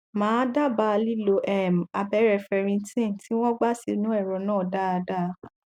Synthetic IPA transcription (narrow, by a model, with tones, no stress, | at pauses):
mãː˨˦da˦˨ba˦a˧li˦lo˧ʔɛ˨ma˧bɛ˨˦ɾɛ˧fɛ˧ɾ̃ĩ˧tĩ˦˨ti˨˦w̃ɔ̃˦ɡ͡ba˦si˧˦nũ˨˦ɛ˦˨ɾɔ˨˦nãː˦˨da˦a˧da˦˨˦